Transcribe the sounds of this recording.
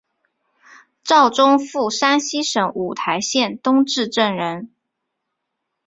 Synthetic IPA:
ʈ͡ʂɑ˥˩ʊʈ͡ʂʊ˥ŋfu˥˩ʂa˥nɕi˥ʂə˧˥ŋʔu˨˩t̪ʰa˧˥ɪɕjɛ˥˩nt̪ʊ˥ŋʈ͡ʂɻ̩˥˧ʈ͡ʂə˥˩ŋɻə˧˥n

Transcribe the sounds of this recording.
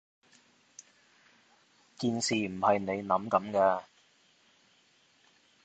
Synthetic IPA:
kiː˧nsiː˨m̩˨˩hɐ˨jne˨˧jnɐ˨˥mkɐ˨˥mkɛː˧

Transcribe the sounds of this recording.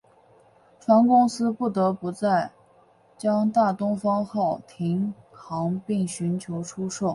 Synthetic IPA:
fa˧˥nkʊ˥ŋsɹ̩˥pu˥˩t̪ɤ˧˥pu˧˥t͡sa˥˩ɪ | t͡ɕjɑ˥ŋt̪a˥˩t̪ʊ˥ŋfɑ˥ŋxɑ˥˩ʊt̪ʰi˧˥ŋ | kʰɑ˧˥ŋpi˥˩ŋɕy˧˥nt͡ɕʰjo˧˥ʊʈ͡ʂʰu˥ʂo˥˩ʊ

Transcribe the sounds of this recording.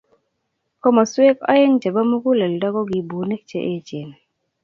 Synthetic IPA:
kɔ˦mɔ˨swe˦kɔ̰˦ɪ˦ŋt͡ʃa˨ba˦mu˦ku˦lɛ˨ldɔ˦ɡɔ˦ɡi˨bu˨ne˦k̚t͡ʃḛ˦ʔe˦t͡ʃe˨n

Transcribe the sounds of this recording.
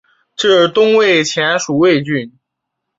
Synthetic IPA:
ʈ͡ʂɤ˥˩t̪ʊ˥ŋwe˥˩ɪt͡ɕʰjɛ˧˥nʂu˨˩we˥˧ɪt͡ɕy˥˩n

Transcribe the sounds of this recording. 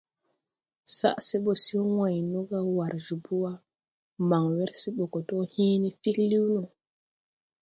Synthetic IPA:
sa̰˦ʔse˦ɓo˨si˦wã˨jnu˦ɡa˦wa˨ɾʒu˨bu˦wa˦ | ma˨ŋwe˦ɾsi˦ɓo˨ko˨to˦hĩ˦ni˦fi˦kli˦wnu˨

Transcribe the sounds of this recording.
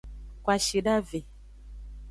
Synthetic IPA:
kwa˨ʃi˨ɖa˦ve˨

